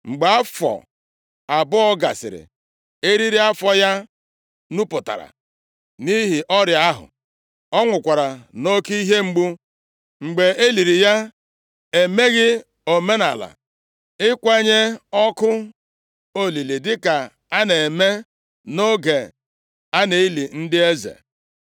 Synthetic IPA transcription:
ŋ͡m̩˨ɡ͡be˨a˦fɔ̰˨ | a˨bʊ˦ɔ˦ɡa̰˨sɪ̰˨ɾɪ̰˨ | e˦ɾi˦ɾi˦a˦fɔ˦ja˦ | nu˦pʊ˨ta̰˨ɾa̰˨ | ni˦ɦi˨ʔɔ˦ɾja˦ɦʊ̰˨ | ɔ˦ŋʷʊ˨kʷa˨ɾa˨no˦ki˦i˦ɦe˦ŋ͡m̩˦ɡ͡bu˦ | ŋ͡m̩˨ɡ͡be˨e˦li˨ɾi˨ja˦ | e˨me˦ɣɪ˦ | o˨me˦na̰˨la̰˨ | ɪ˦kʷe˦ɲe˦ɔ˦kʊ˦ | o˦li˨li˨dɪ˦ka˨ | a˦ne˨me˦ | no˦ɡe˨ | a˦ne˨i˦li˨n̩˦dɪ˦e˦zḛ˨

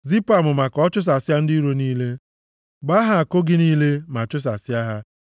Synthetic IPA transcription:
zi˦pa˨mʊ˨ma˨kɔ˦t͡ʃʊ˦s̬a˨sɪ˦a˦n̩˦di˦ɾo˦niː˦le˦ | ɡ͡ba˦ɦa˨a˨ko˦ɡɪ˦niː˦le˦ma˨t͡ʃʊ˦s̬a˨sja˦ɦa˦

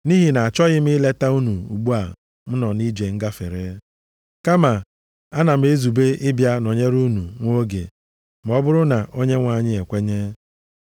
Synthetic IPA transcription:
ni˦ɦi˨na˨a˨t͡ʃɔ˦ɣɪ˦m̩˦ɪ˦le˦ta˦u˦nu˨ṵ˨ɡ͡bu˦a˨ | m̩˦nɔ˨ni˦d͡ʒe˨ŋ̩˦ɡa˦fe˨ɾe˦ | ka˦ma˨ | a˦na˨m̩˦e˦zu˨be˦ʔɪ˦bja˦no˨ɲe˦ɾu˦nu˨ŋʷo˦ɡḛ˨ | m̩˨ɔ˦bʊ˦ɾʊ˦na˨ʔo˦ɲe˦ŋʷa˨ɲɪ˦e˨kʷe˦ɲe˦

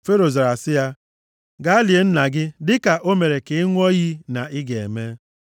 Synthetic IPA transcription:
fe˦ɾo˨ze˨ɾa˨sɪ˦ja˦ | ɡa˦li˨e˨n̩˦na˨ɡɪ˦dɪ˦ka˨ʔo˦me˨ɾe˨kɪ˨˦ŋʷ˦ɔ˦ɣi˦na˨ʔɪ˦ɡe˨e˨me˦

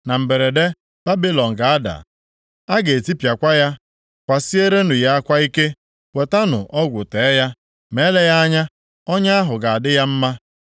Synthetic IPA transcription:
na˨m̩˨be˨ɾe˨de˦ | b̥a˦bi˦lɔ˨ŋ̩˨ɡa˨a˦da̰˨ | a˦ɡe˨ti˦pja˨kʷa˦ja˦ | kʷa˨si˦e˦ɾe˦nʊ˨ja˦a˦kʷa˦i˦ke˦ | we˨ta˦nʊ̰˨ʔɔ˦ɡʷʊ˨te˨˦ja˦ | me˨˦le˦ja˦a˦ɲa˦ | ɔ˦ɲa˦a˦ɦʊ˨ɡa˨a˨dɪ˦ja˦m̩˦ma˦

